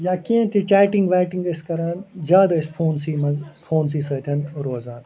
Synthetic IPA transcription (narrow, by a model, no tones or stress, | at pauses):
jaːkiẽt̪ʰit͡ʃaːʈĩŋɡʋaːʈĩŋɡɐskɐɾaːnd͡ʒaːd̪ɐspʰoːnsiːmɐzpʰoːnsiːsɐːt̪ʲʰɐnɾoːzaːn